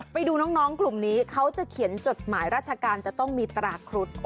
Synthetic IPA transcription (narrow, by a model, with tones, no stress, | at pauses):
pa˧jduː˧nɔː˦˥ŋnɔː˦˥ŋklu˨˩mniː˦˥kʰa˦˥wt͡ɕa˨˩kʰi˨˩˦ənt͡ɕo˨˩t̪̚maː˩˦jɾaː˥˩t͡ɕʰa˧kaː˧nt͡ɕa˨˩t̪ɔ˥˩ŋmiː˧t̪ɾaː˧kʰɾu˦˥t̪̚